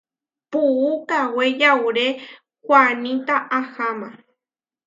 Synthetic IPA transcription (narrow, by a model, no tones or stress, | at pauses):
puːkawejawɾe | kwanĩt̪aʔahama